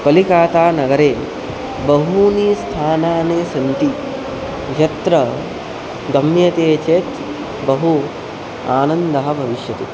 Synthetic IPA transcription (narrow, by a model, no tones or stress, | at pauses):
pɐlikaːt̪aːnɐɡɐɾeː | bɐɦuniːst̪ʰaːnaːneːsɐnt̪i | jɐt̪ɾɐ | ɡ̪ɐmjɐt̪eːt͡ʃeːt̪ | bɐɦu | aːnɐnd̪ɐɦɐ̆bʱɐʋiʃjɐt̪i